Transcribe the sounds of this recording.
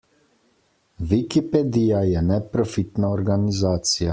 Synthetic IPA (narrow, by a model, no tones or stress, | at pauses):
ʋikiped̪ijajɛnɛpɾofit̪naoɾɡanizaːt̪sija